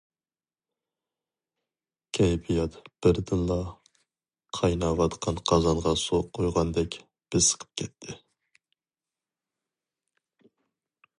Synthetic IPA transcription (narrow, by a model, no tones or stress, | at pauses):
kʲʰɛjbijɑt̪b̥ɪɾd̪ɨnlˠɑ | qʰɑjnɑwɑt̪qʰɑnqʰɑzɑɴʁɑsoqʰojʁɑnd̪ɛkʲ | b̥ɪz̥sə̥qʰə̥p̚kʲʰɛt̪ʰːɪ